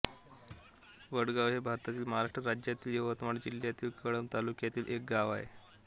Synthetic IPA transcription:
ʋəɽɡaʋɦebʱaɾt̪at̪iːlməɦaɾaʂʈɾəɾad͡ʑjat̪iːljuʋət̪maɽd͡ʑil̤jat̪iːlkəɭəmt̪alukjat̪iːlʔek̚ɡaʋa̰ɦḛ

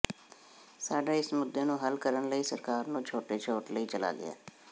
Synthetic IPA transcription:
saːɖaːɪsmʊd̪ːeːnũːɦəlkəɾənləiːsəɾkaːɾnũːt͡ʃʰoːʈeːt͡ʃʰoːʈləiːt͡ʃəla̰ːɡɪ̰a̰ː

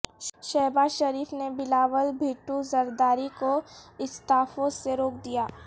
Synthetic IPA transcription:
ʃɛːbaːzʃɐɾiːfnebɪlaːʋəlbʱiːʈːuzɐɾd̪aːɾikoɪst̪aːfõːzseɾoːk̚d̪ijaː

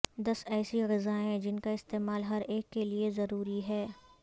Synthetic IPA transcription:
d̪ɐsɛːsiɣɪzaːẽd͡ʒɪnkaɪst̪eːmaːlɦɐɾeːkːeliezɐɾuːɾiɦɛː

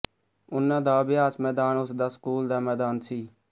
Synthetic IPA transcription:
ʊnːãːd̪aːəbɪjaːsmɛːd̪aːnʊsd̪aːskuːld̪aːmɛːd̪aːnsiː

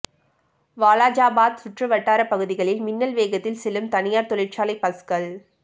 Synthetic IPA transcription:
ʋaːlaːd͡ʒaːbaːd̪̚sʊʈrɯʋɐʈːaːɾɐpːɐɣɯðɪɣɐɭɪlmɪnːɐlʋeːɣɐt̪ːɪlsɛlɯmt̪ɐnɪjaːɾt̪ɔɭɪʈt͡ʃaːlɐɪpːɐskɐɭ

